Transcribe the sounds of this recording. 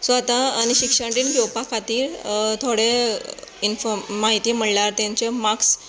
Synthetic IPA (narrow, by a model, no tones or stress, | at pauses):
sʋat̪aːniɕikʂəɳɾiːnɡewpakʰat̪iːɾt̪ʰoɽe | infɔmaɦit̪iːməɽlaɾt̪jãɲt͡ɕemaks